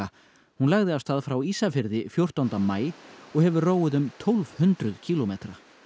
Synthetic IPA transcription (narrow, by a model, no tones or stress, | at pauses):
a | hunlaɣðɪafst̪aːðfɾawiːsafɪɾðɪfjowr̥t̪awnt̪amaːjɔɣhɛvʏroːwɪðʏmt̪ʰolv̥hʏnt̪ɾʏðcʰiːlɔmeːt̪ɾa